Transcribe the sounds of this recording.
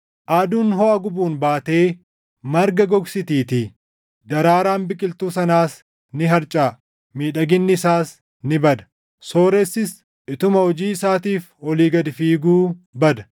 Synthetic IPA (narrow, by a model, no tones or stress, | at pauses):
ʔaːd̪uːnɦɔʔɐɡʊbuːnbaːt̪e̞ː | mɐɾɡɐɡɔɡsɪt̪iːt̪ɪ | d̪ɐɾaːɾaːnbɪkʼɪlt̪uːsɐnaːs | nɪɦɐɾt͡ʃʼaː | miːᶑɐɡɪnːɪɪsaːs | nɪbɐd̪ɐ̥ | so̞ːɾɛsːɪs | ʔɪt̪ʊmɐhɔd͡ʒiːɪsaːt̪iːf | wɔliːɡɐd̪ɪfiːɡuːbɐd̪ɐ̥